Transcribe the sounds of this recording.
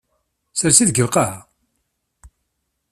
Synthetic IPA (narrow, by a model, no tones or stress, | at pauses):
səɾsiðɡəvqahæ